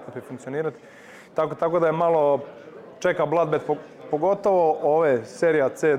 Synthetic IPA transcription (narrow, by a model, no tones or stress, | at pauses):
t̪opifuŋkt̪io̞niːɾat̪i̥ | t̪akot̪ako̞d̪ajemalo | t͡ʃekablˠad̪̚bet̪p | poɡo̞t̪oʋoʔoʋeseɾijat̪seː